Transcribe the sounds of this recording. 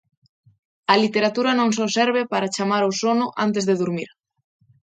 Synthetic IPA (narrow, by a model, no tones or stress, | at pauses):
ɐlit̪eɾat̪uɾɐnõŋs̬ɔsɛɾβ̞ɪpaɾat͡ʃamaɾosonʊʔant̪ezðeðuɾmiɾ